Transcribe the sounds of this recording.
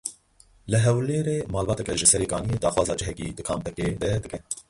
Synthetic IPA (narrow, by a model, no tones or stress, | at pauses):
lɨɦɛwleːɾeːmɑːlbɑːt̪ɛkɛʒɨsɛɾeːkɑ̰ːnijed̪ɑːxwɑːzɑːd͡ʒɨɦɛkḭːd̪ɨkʰɑːmpɛked̪ɛd̪ɨkɛ